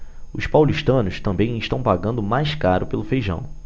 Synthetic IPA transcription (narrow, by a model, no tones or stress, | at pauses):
ʊspawliʃt̪ɐ̃nʊst̪ɐ̃mbẽj̃ɪʃt̪ɐ̃w̃paɡɐ̃nd̪ʊmajskaɾʊpelʊfejʒɐ̰̃w̃